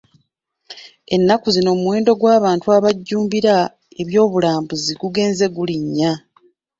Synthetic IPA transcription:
e̞nːakuzino̞ːmuwe̞ːndo̞ɡwaːβaːntuaβaɟːuːmbiɾa | e̞βjo̞ːβulaːmbuziɡuɡe̞ːnze̞ɡuliɲːa

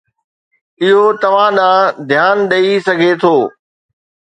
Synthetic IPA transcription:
ɪɦot̪ɐʋ̤ãɗãd̪ʱjaːnɗɐisɐɡʱet̪ʰoː

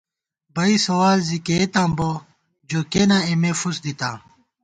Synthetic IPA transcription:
bɐisɐwaːlziket̪ãːmbo | d͡ʑoːkeːnãːemefusd̪it̪a̰ː

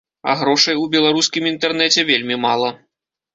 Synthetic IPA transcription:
ɐ̰ɣɾɔʂɐjubʲɛlˠaɾuskʲimint̪ɛrn̪ɛt͡sʲɛvʲelʲmʲimalˠɐ

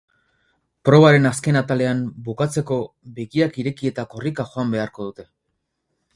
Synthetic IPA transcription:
pɾo̞β̞aɾe̞naske̞nat̪ale̞ambukat͡se̞ko̞ | beɣiakiɾe̞kie̞t̪ako̞rikaxo̞ambe̞aɾko̞ðut̪e̞

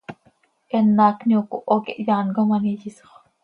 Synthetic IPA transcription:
ʔenːaːkniokuʔokḛʔjaːnɡomanijisoχ

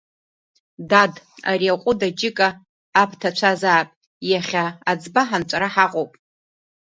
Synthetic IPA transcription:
dad | a̰riaqʷʼʊdad͡ʒɪkʼaː | pʰtʰat͡ʃʷʰazaːpʼ | jaχʲaːd͡zbaħant͡ʃʷʼaɾaħaqʼowpʼ

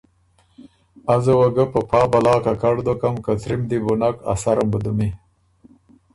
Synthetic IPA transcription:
azəwaɡəpəpʰɑːbalɑːkakaɽd̪okamkat̪ɾimd̪ibunaka̰saɾambəd̪umi

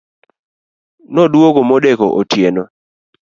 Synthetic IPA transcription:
nɔdwoɡomɔdekɔʔotjenɔ

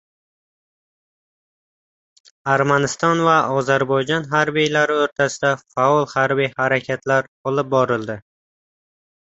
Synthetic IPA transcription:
aɾmanɪst̪ɒnvaʔɒzaɾbɒjd͡ʒɒnɦaɾbijlaɾɪɵɾt̪ʰasɪd̪afaɒlˠhaɾbijhaɾakʲʰat̪ʰlaɾɒlˠɪp̚bɒɾɪlˠd̪ɪ

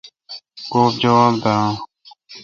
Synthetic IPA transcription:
koːpd͡ʒəʋaːbd̪ãː

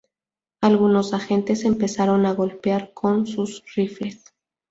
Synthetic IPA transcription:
alɣunosaxent̪esempesaɾonaɣolpeaɾkʰonsusrifes

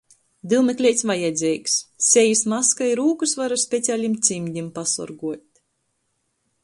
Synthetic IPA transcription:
d̪ilˠmɛklʲɛjt̪sʲvajɛd̪zʲɛjksːʲɛjismaskajɾuːkusvaɾusʲpʲet̪sʲiaːlʲimt̪sʲimʲd̪ʲimpasɔ̰ɾɡuɔt̪̚ʲ

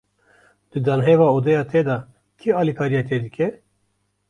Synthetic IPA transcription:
d̪̥ɨd̪aːnɦevaːod̪ɛjɑːt̪ʰed̪ɑ | kʰiɑːlikʰaːɾijɑːt̪ʰed̪ɨkʲɛ

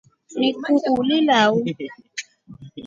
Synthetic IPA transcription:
mĩkũʔulilawu

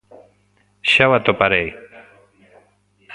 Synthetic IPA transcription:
ɕawat̪opaɾej

